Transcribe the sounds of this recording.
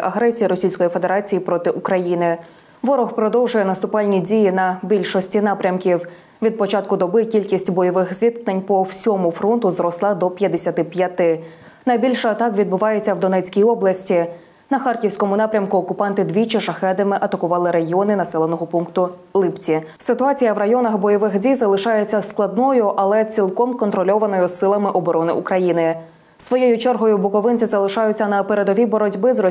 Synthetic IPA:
ʔɐɦɾɛsʲijiɾɔsʲijsʲkɔjife̞d̪eɾɑt͡sʲijipɾɔt̪ɪʔʊkɾɐjinɪ | ʋɔɾɔxpɾɔd̪ɔwʒʊjɛnɐst̪ʊpɑlʲnʲidʲijinɐbʲilʲʃɔsʲtʲin̪ɑpɾʲɐmkʲiw | ʋʲid̪̚pɔt͡ʃɑt̪̚kʊd̪ɔbɪkʲilʲkʲisʲtʲbɔjɔʋɪxzʲʋʲit̪knenʲpɔwsʲɔmʊfɾɔnt̪ʊzɾɔslˠɑd̪ɔpʲjɐd̪esʲɐt̪ɪpjɐt̪ɪ | nɐjbʲilʲʃɐt̪ɑkʋʲid̪̚bʊʋɑjet͡sʲːɐwd̪ɔnɛt͡sʲkʲijɔblˠɐsʲtʲi | nɐxɑrkʲiwsʲkɔmʊnɑpɾʲɐmkʊːkʊpɑnt̪ɪd̪ʋʲit͡ʃɪʃɐxɛd̪ɪmɪʔɐt̪ɐkʊʋɑlˠɪɾɐɦiɔnɪnɐsɛlˠenɔɦɔpuŋkt̪ʊlˠɪpt͡sʲi | sɪt̪ʊɑt͡sʲijɐʋrɐjɔnɐxbɔjɔʋɪxdʲijzɐlˠɪʃɑjet͡sʲːɐsklˠɐd̪nɔjʊʔɐlˠɛt͡sʲilˠkɔmkɔnt̪ɾɔlʲɔʋɐnɔjʊsːɪlˠɐmɪʔɔbɔɾɔnɪ̰ʔukɾɐjinɪ | sʋɔjejʊt͡ʃɛrɦɔjʊbʊkɔʋɪnʲt͡sʲizɐlˠɪʃɑjʊt͡sʲːɐnɐpeɾe̞d̪ɔʋʲibɔɾɔdʲbɪzɾɔ

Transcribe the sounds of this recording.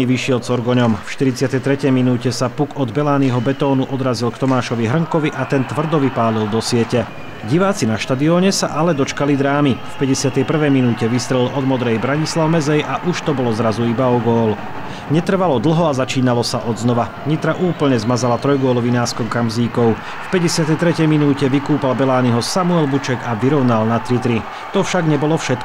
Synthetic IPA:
iʋiʃɪɛlt͡sɔɾɡɔɲɔmfʃt̪iɾit͡sɪat̪ɛjt̪ɾɛcɛjminuːcɛsapukɔd̪bɛlaːniɦɔbɛt̪ɔːnuʔɔd̪ɾazilkt̪ɔmaːʃɔʋiɦr̩ŋkɔʋiʔat̪ɛnt̪ʋr̩d̪ɔʋipaːlild̪ɔsɪɛcɛ | ɟiʋaːt͡sinaʃt̪ad̪iɔːɲɛsa̰ʔalɛd̪ɔt͡ʃkalid̪ɾaːmifpɛɟɛsɪat̪ɛjpr̩ʋɛjminuːcɛʋist̪ɾɛlɔd̪mɔd̪ɾɛjbɾaɲislaʊmɛzɛjʔaʔuʃt̪ɔbɔlɔzɾazuibaɔɡɔːl | ɲɛt̪r̩ʋalɔd̪l̩ɦɔazat͡ʃiːnalɔsaʔɔd̪znɔʋa | ɲit̪ɾaʔuːpl̩ɲɛzmazalat̪ɾɔjɡʊɔlɔʋinaːɾskɔʊkamziːkɔʊ | fpɛɟɛsɪat̪ɛjt̪ɾɛcɛjminuːcɛʋikuːpalbɛlaːniɦɔsamuɛlbut͡ʃɛɡaʋiɾɔʊnalnat̪ɾit̪ɾi | t̪ɔfʃaɡɲɛbɔlɔfʃɛt̪̚k

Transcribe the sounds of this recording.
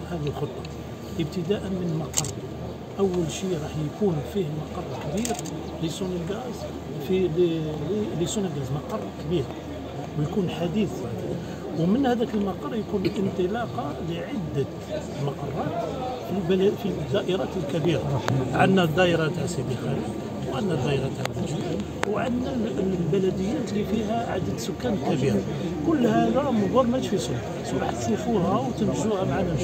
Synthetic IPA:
hæd̪ilxot̪ˤːɑ | ʔəb̚t̪əd̪æʔənmənəlmɑqɑrˤːɑ | ʔəwːəlʃiɾˤɑħjkunfihlmɑqɑrˤːkəbiɾ | lisunəlɡæz | filllisunəlɡæzmɑqɑrˤːkəbiɾ | wjkunħad̪iθ | wmənhæd̪ækəlmɑqɑrˤːjkunlʔənt̪ˤəlɑqɑləʕəd̪ːə | mɑqɑrˤːɑt̪ | filblfid̪ːæʔəɾˤɑt̪əlkæbiɾaʕad̪næd̪ˤːæʔɾɑt̪aʕsid̪ixæli | wʕad̪næd̪æʔəɾɑt̪aʕlæʒi | wʕa̰d̪nælbælæd̪əjːæt̪lifiɦæʕa̰d̪əd̪sʊkːænlkæbiɾ | kʊlːhæd̪æmʊd̪ˤuɾˤmæt̪fisʊl | sbɑħt̪sˤifuhæwt̪ənəʒːuhæmaʕanæ

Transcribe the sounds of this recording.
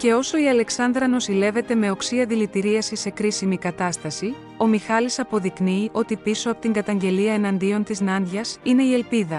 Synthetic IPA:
ce̞o̞so̞iɐle̞ksɐnd̪ɾɐno̞sile̞ve̞t̪e̞me̞o̞ksiɐðilit̪iɾiɐsise̞kɾisimikɐt̪ɐst̪ɐsi | o̞mixɐlisɐpo̞ðikniːʔo̞t̪ipiso̞ɐpo̞t̪iŋɡɐt̪ɐɲɟe̞liɐenɐnd̪io̞nt̪iznɐnd̪ʝɐsine̞ie̞lpiðɐ

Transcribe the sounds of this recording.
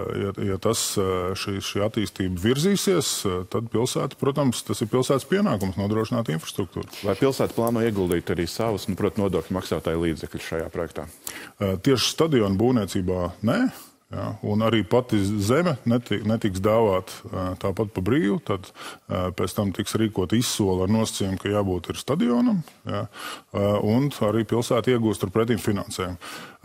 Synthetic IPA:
jajat̪asʃiːʃiːat̪iːst̪iːbɐviɾziːsiɛəst̪ad̪̚pilˠsæːt̪pɾuɔt̪amst̪asɪɾpilˠsæːt̪spiɛnaːkumsnuɔd̪ɾuɔʃinaːt̪infɾɐ̥st̪ɾuk̚t̪ṵːɾlˠajpilˠsæːt̪plˠɑːnuɔiɛɡulˠd̪iːt̪aɾiːsaʋʊsnupɾuɔt̪nuɔd̪uɔklʲmaksaːt̪aːjlˠiːd̪zɛklʲusʃa̰ja̰ːpɾɔjɛk̚t̪a̰ːt̪iɛʃst̪ad̪ijɔːnbuːniɛt̪siːbaːnɛ | ja̰unaɾiːpat̪izɛmʲɛnet̪nɛt̪iksd̪aːʋaːt̪t̪aːpat̪̚pabɾiːʋut̪ad̪pɛt̪t̪amt̪iksɾiːkuɔt̪isːuɔlˠaɾnuɔsə̥t̪sɛːjumkajaːbuːt̪iɾst̪ad̪iɔːnɐmja | unaɾiːpilˠsæːt̪iɛɡuːst̪aɾpɾɛt̪̬iːmfinansɛːjum

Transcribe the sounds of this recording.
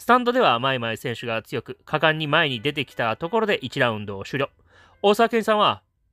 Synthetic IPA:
sɨ̥t̪ãnd̪o̞d̪e̞βamaemaesẽ̞ɰ̃ɕɨɡat͡sɨjo̞kɯ̟kʰakãɲ̟ːimae̞ɲ̟id̪e̞t̪̬e̞kʲi̥t̪at̪o̞ko̞ɾo̞d̪e̞ʔit͡ɕiɾaɯ̟̃nd̪o̞ːɕɨɾʲo | o̞ːsakakẽ̞ɲ̃sãɰ̃βa

